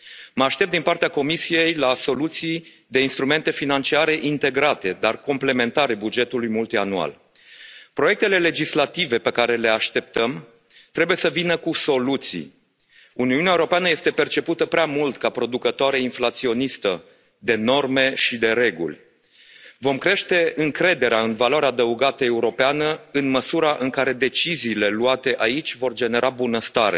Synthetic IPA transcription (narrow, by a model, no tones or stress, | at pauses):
məaʃt̪e̞p̚d̪inpart̪eako̞misije̞jlaso̞lut̪si | d̪e̞inst̪ɾume̞nt̪e̞finant͡ʃiaɾe̞ʔint̪e̞ɡɾat̪e̞d̪arkomple̞ment̪aɾebud͡ʒe̞t̪ulujmult̪ianua̰l | pɾo̞je̞k̚t̪e̞le̞le̞d͡ʒislat̪ive̞pe̞kaɾe̞le̞aʃt̪e̞p̚t̪əm | t̪ɾe̞buje̞səvinəkuso̞lut̪sḭ | uniuneaeuɾo̞peanəje̞st̪e̞pe̞rt͡ʃe̞put̪əpɾeamult̪kapɾo̞d̪ukət̪oaɾeinflat̪sio̞nist̪ə | d̪e̞no̞rme̞ʃid̪e̞ɾe̞ɡṵlʲ | vo̞mkɾe̞ʃt̪e̞ɨŋkɾe̞d̪e̞ɾeaɨnvalaɾead̪əuɡat̪əe̞uɾo̞peanəɨnməsuɾaʔɨŋkaɾe̞d̪e̞t͡ʃiziːle̞luat̪e̞ʔait͡ʃʲvo̞rd͡ʒe̞ne̞ɾʔabunəst̪aɾe̞̰